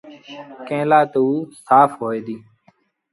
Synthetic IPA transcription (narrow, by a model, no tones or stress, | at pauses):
kẽːlaːt̪uuːsaːfɦoːeːd̪iː